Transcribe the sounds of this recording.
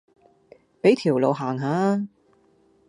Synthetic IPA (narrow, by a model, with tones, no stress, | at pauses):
pe˨˥jt̪ʰiː˨˩wlo˨˧wɦaː˨˩ŋɦaː˨˧˥